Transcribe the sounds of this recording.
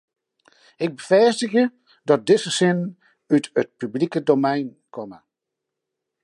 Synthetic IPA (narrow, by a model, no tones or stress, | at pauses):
ɪɡ̚bəfɛstəɣjə | dɔt̚dɪsəsɪnn | ytət̚pyblikədomɛjn | kʰɔmə